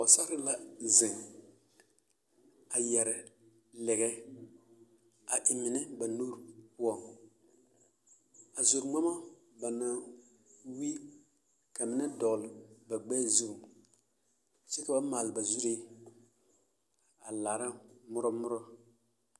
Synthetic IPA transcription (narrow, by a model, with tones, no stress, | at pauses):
ɔ˨sa˦ɾɪ˦la˦zɪ˨ŋ | a˨jɛ˨ɾɛ˨ | lɛ˨ɣɛ˦ | a˨ʔɪ˨mɪ˨nɪ˦ba˨nuː˦ɾpʊ˦ɔ˦˨ŋ | a˨zo˨ɾŋ͡ma˦ma˦ | ba˨na˨ | wi˦ | ka˨mɪ˦nɛ˦dɔ˨ɣlɪ˨ba˨ɡ͡bɛː˦zu˦ɾʊ˨ | sɛ˦ka˨ba˦maː˨lɪ˨ba˨zu˦ɾe˦ | a˨laː˨ɾa˦mʊ˦ɾɔ˦mʊ˦ɾɔ˦